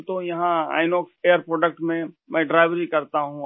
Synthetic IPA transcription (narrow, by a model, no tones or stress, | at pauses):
t̪ojɐɦãa̰ːɪnoːkseːjəɾpɾoːɖək̚ʈmẽ | mɛ̃ːɖɾaːɪʋəɾikɐɾt̪aɦũ